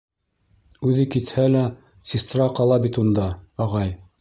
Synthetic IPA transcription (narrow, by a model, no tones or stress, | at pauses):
ʉðɘkit̪hælæ | sʲist̪rɑqɑlˠɑbit̪und̪ɑɑʁɑj